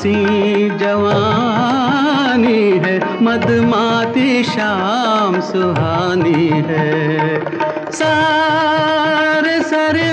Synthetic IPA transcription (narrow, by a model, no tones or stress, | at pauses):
sĩd͡ʒɐʋaː | niɦɛmɐd̪maːt̪iʃamsʊɦaːniɦɛ | saː | ɾesaːɾe